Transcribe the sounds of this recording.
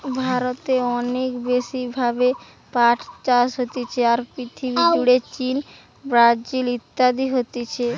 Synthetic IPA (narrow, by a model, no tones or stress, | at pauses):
bʱaɾot̪eɔnekbeʃibʱabe | paʈʰt͡ɕaʃɦot̪et͡ɕʰeaɾpɾit̪ʰibid͡ʑuɽet͡ɕin | bɾad͡ʑilit̪ːad̪iɦot̪et͡ɕʰe